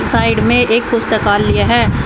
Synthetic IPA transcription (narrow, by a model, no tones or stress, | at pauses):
saːɪɖmẽʔeːk̚pʊst̪əkaːlːijaɦɛː